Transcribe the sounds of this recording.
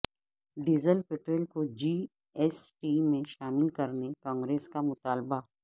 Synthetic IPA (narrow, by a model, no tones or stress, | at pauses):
ɖiːzəlpɪʈɾelkod͡ʒiː | ɛːsʈiːmẽʃaːmɪlkɐɾnekãːŋɡɾeːskamʊt̪aːlba